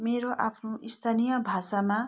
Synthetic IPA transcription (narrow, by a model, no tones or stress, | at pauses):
meɾoʔapʰnoʔist̪ʰanijʌbʱasama